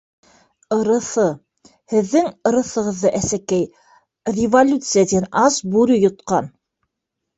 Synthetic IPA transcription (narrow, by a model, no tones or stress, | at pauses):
ɤ̆ɾɤ̆θɤ | hɘ̆ðːɘŋɤ̆ɾɤ̆θɤ̆ʁɤ̆ðːɤʔæsækæj | rʲɪvolʲut̪sɨjad̪inɑsbʉɾɵjŏt̪qɑn